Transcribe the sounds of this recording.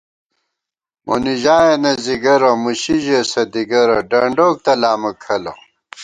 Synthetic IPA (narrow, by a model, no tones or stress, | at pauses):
mʔo̰niʑaːjenɐziɡɐɾɐmuɕiʑesɐd̪iɡɐɾɐɖɐɳɖoːk̚t̪ɐlaːmɐkʰɐlɐ̰